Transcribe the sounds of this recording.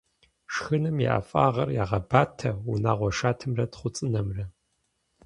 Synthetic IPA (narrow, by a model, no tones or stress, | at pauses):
ʂxɨnɨmjɛ̰ʔa̰fʼa̰ːʁɐrjaːʁɐbaːtʰɐunaːʁʷɔʃaːtʰɨmrɐtχʷʊt͡sʼɨnɐmrɐ